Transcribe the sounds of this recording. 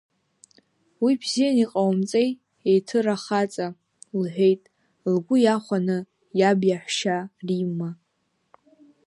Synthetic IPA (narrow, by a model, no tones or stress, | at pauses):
wibzijaniqʼawmt͡sʼej | ejtʰɨraχat͡sʼa | lħʷᶣejtʼ | lɡʷʊjaχʷanɨ | jabjaħʷʃarimːa